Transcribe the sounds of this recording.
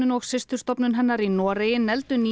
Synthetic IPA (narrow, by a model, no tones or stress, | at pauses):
nʏnɔɣsɪst̪ʏ̥r̥st̪ɔpnʏnɦɛnːaɾinɔːɾejɪnːɛlt̪ʏniː